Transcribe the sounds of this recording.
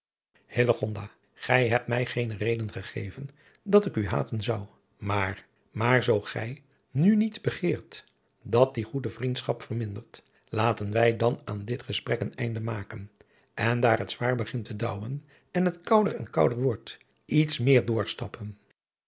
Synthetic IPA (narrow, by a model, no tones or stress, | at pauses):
hɪləχɔndaː | χɛjɦɛp̚tmɛjχejnərejdənχəχḛjvən | dɑtɪkyɦa̰ːtənzʌw | maːr | maːɹzowχɛ̰j | nynidbəχɪːɹt | dɑt̚diχudəvrintsχɑpfərmɪndəɹt | laːtənʋɛjdɑnaːndɪtχəsprɛkənɛ̰jndəmaːkən | ʔɛndaːɹɦətsʋaːɹbəχɪntədʌwən | ɛnɦətkʌwdərɛnkʌwdəɹʋɔɹt | ʔitsmɪːɹdʊːɹstɑpən